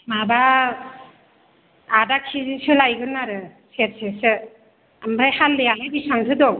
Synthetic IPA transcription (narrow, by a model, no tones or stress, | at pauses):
maba | adakʰizisɯlajɡɯnːaɾɯ | set̚sesɯ | ambɾajhalːejanɯbisaŋsʰɯdɔ